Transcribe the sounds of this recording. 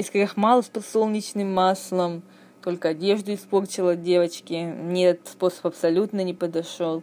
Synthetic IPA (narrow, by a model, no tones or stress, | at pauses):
ɪskɐɾʲaxmalˠəspɐso̞lˠnʲɪt͡ɕnɨmːaslˠəm | t̪o̞lʲkəɐdʲe̞ʐd̪ʊɪspo̞rt͡ɕɪlˠədʲe̞vət͡ɕkʲɪnʲɛt̪ət̪spo̞sə̥pɐpsɐlʲut̪nənʲɪpəd̪ɐʂo̞lˠ